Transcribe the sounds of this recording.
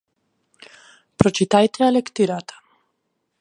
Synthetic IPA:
pɾɔt͡ʃit̪ajt̪ʰɛalɛkt̪iɾat̪ʰḁ

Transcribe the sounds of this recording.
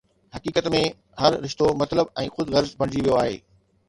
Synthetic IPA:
hɐkiːkət̪mẽ | ɦɐɾɾɪʃt̪omɐt̪ləbɛ̃ːxʊd̪ɣɐɾzpɐ̃ɳ̃ɪd͡ʑiʋijoaːɦḛː

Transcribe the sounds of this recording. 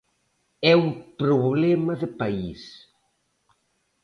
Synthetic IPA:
ɛumpɾoβlɛmɐðɪpais

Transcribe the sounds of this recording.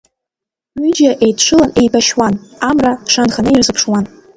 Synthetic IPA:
ɥyd͡ʒaʔejtʰʈ͡ʂʷʰɨlane̞jbaʃwanamraʂanχanɨjirzɨpʰʂwan

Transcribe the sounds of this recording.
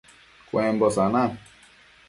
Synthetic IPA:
kʷwem̩bɔsana

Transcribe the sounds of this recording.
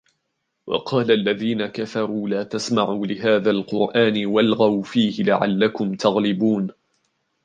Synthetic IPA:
wʔɑ̰qʰɑːlaʔlːaðiːnakafɑɾˤuːlaːt̪asmaʕuːlɪɦaːðaːlqʊɾʔaːnɪwalɣawfiːhɪlaʕa̰lːakʊmt̪ɑɣlɪbuːn

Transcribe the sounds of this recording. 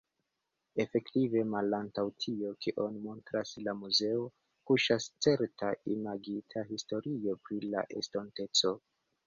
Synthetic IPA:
e̞fe̞ktive̞malantawtʰio̞kiʔo̞nmo̞ntɾaslamuze̞o̞ | kuʃast͡se̞ɾtaʔimaɡitʰaɦisto̞ɾio̞pɾila̰ʔe̞̰stonte̞t͡so̞

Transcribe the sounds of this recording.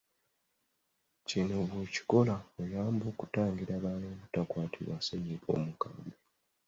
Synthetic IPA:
cinoβweci̥ko̞laojaːmbo̞ːku̥taːŋɡiɾaβaːnoːβutakwaːtʰiβwaseɲiβo̞̰ːmukaːmbe

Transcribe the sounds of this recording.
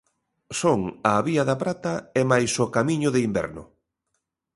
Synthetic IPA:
soŋaβiɐðɐpɾat̪ɐɛmajsokamiɲʊðeimbɛ̰ɾnʊ̰

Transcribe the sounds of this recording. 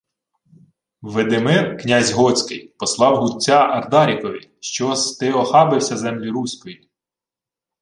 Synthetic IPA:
ʋed̪ɪmɪrknʲɑzʲɦɔt͡sʲkɪjpɔslˠɑwɦʊt͡sʲːɑʔɐrd̪ɑɾʲikɔʋʲiʃt͡ʃɔst̪ɪɔxɑbɪwsʲɐzɛmlʲiɾusʲkɔji

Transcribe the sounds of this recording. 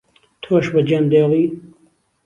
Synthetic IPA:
t̪ʰoʃbɐd͡ʒɐnd̪eːliː

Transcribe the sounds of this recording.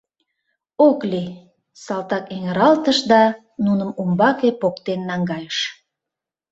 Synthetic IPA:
okli | sɑlt̪ɑkeŋeɾɑlt̪əʃd̪ɑ | nunəmumbɑkepokt̪enːɑŋɡɑjəʃ

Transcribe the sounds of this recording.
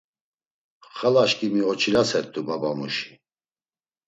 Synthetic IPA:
χalaʃkʼimiɔt͡ʃʰiɾasɛɾt̪ʰʼːubabamṵʃi̥

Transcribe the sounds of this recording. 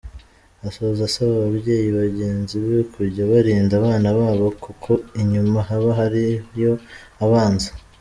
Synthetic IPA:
asoβzasaβaβaβje̞ːjiβaɟe̞ːnziβekʰuɾɟaβaɾiːndaβaːnaβaːβo̞kukʰo̞iɲumaɦaβaɦaɾijo̞ | aβaːnzḁ

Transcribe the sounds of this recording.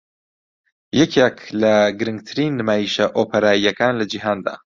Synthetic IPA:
jɛkʰekʰlɐɡɨɾɨŋɡ̚t̪ʰɨɾiːnːɨmaːjiʃɐʔoːpʰeɾaːijɐkaːnlɐd͡ʒiɦaːnd̪a̰ː

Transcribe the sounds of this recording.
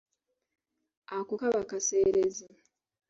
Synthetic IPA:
akukaβakase̞ːɾeze

